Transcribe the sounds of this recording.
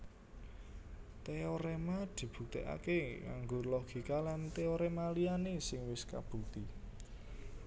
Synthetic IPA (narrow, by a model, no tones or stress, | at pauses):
t̪eoɾemad̪̥i̤b̥ṳk̚t̪eʔa̰keŋa̰ŋɡʊrlɔɡ̥i̤kalant̪eoɾemalianesɪŋwɪska̰b̥ṳkt̪i